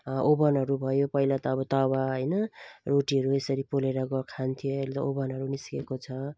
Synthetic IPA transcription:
obʌnɦʌɾubʱʌjopʌilat̪ʌːbʌt̪ʌwaɦʌjnʌroʈiɦʌɾuesʌɾipoleɾʌɡʌkʰant̪ʰijoelet̪ʌobʌnɦʌɾuniskekot͡sʰʌ

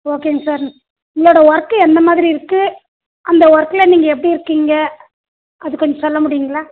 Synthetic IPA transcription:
oːkeːŋsaːɾ | ʊŋɭoːɽɐʋɔɾɐkːɯɛnd̪ɐmaːðɪɾiɪɾɯkːɯ | ʔɐnd̪ɐʋɔɾɐkːɯlɐniːŋɡɐɛpːɐɽiɪɾɯkːiːŋɡɐ | ɐðɯkɔɲd͡ʒɐsɔlːɐmʊɽɪjɯŋɡɐɭaː

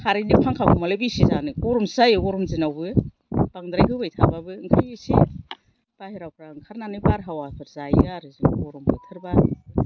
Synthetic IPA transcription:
kʰaɾinipʰaŋkʰakʰumalebisizanɯɡɔɾɔmsajɡɔɾɔmzinawbɯ | b̥aŋdɾajɦɯwbajtʰa̰babɯːŋkʰajisḭ | b̥ahiɾawkʰɾaɯŋkʰaɾnanɯjbaɾɦawapʰɯɾzajaɾɯziŋɡɔɾɔmbʰɯtʰɯɾba

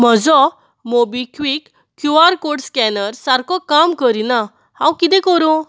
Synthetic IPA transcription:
m̤əd͡zɔ | mobikʋikː | juaɾkoɽskɛnəɾsaɾkɔkamkəɾina | hãwkit̪ɛ̃kəɾõ

